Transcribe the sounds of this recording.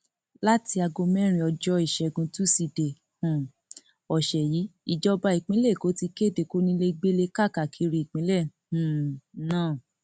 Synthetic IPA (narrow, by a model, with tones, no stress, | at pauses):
la˦ti˧a˧ɡõ˧mɛ̃˦ɾ̃ĩ˧ɔ˧d͡ʒɔ˧˦i˨ʃɛ˨ɡũ˧tu˦si˧˨de˨ | hũ˨ | ɔ˨ʃɛ˨ji˨˦i˨d͡ʒɔ˦˧ba˧i˨k͡pĩ˦le˦˨ko˨˦ti˧ke˦˨de˧˨ko˦nĩ˧le˧ɡ͡be˦le˧ka˦˨ka˨kʰi˨˦ɾi˧˨k͡pĩ˨˦lɛ˦˨h̩˨nãː˦˨